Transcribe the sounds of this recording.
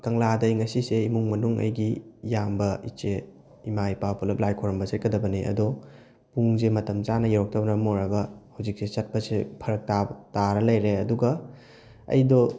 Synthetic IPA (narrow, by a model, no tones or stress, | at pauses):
kɐŋladɐjŋɐsiseimuŋmɐnuŋɐ̰jɡijambɐit͡ʃe | imajpapʰulɐp̚lajkʰoɾɐmbɐset̚kɐdɐbɐniʔɐ̰dɔ | puŋzemɐtɐmzanɐjeɾɔk̚tʰɐbnɐmoɾɐɡɐhawzik̚sesɐt̚pɐsepʰɐɾɐk̚tataɾɐlɐjɾeɐduɡɐ | ɐ̰jdɔ